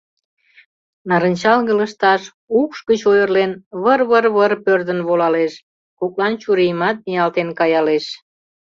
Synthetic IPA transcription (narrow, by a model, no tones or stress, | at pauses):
nɑɾənʲt͡ɕɑlɣələʃt̪ɑʃ | ukʃɡət͡ɕojərlenβərβərβərpørd̪ənβolɑleʃ | koklɑnt͡ɕuɾijmɑt̪̚miɑlt̪enkɑjɑleʃ